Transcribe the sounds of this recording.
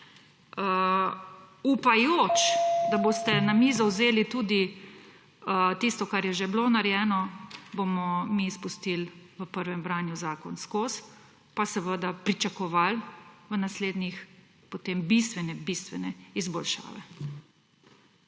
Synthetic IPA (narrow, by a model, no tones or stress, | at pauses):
ə | upajoːt͡ʃd̪aboːst̪ɛnamizawzeːlit̪uːd̪i | t̪ist̪ɔkaɾjɛʒebloːnaɾjɛːnɔbomɔmispust̪ilʋəpəɾʋɛmbɾaːnjuzaːkɔnskoːs | pasɛʋəd̪apɾit͡ʃakɔʋalʋənasleːd̪nix | pot̪eːmbist̪ʋɛnɛbist̪ʋɛnɛizbɔlʃa̰ːʋɛ̰